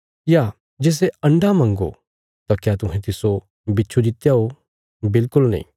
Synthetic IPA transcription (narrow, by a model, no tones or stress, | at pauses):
ja | d͡ʒeːs̬eɐ̃ɳɖʱamɐ̃ːŋɡo̰ | t̪akjaːt̪ʊɦɛ̃t̪ɪso | bɪtːt͡ʃʰod͡ʒɪt̪jaɦo | bɪlkʊlnɐ̰ḭ̃ː